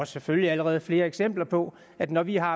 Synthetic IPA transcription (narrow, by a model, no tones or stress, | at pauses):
ɒsːefølliæləʁɛːð̞̩ˠfle̝ːɐeɡ̥sem̰b̥lɐpʰɒ̽ | æd̥nɒʋiɦɑ̈